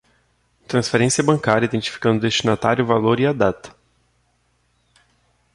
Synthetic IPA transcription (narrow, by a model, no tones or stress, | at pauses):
t̪ɾɐ̃sfeɾẽsiɐbɐ̃ŋkaɾʲjɐid̪ẽnt͡ʃi̥fi̥kɐ̃nd̪ʊd̪eʃt͡ʃinat̪aɾjʊvaloɾiad̪at̪ɐ̥